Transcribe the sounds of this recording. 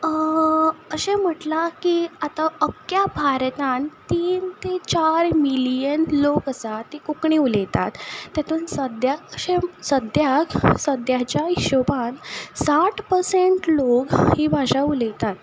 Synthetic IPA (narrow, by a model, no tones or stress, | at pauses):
əɕem̤əʈlakiːat̪aəkjabʱaɾt̪ant̪iːnt̪et͡ɕaɾmilijənlokəsat̪ːikukɳiulejt̪a̰t̪ːjat̪ʰuːnsəd̪ʱjaəɕesəd̪ʱjaksəd̪jat͡ɕjaiɕobansaʈpəɾseɳʈlokhiːbʱaɕaulejt̪at̪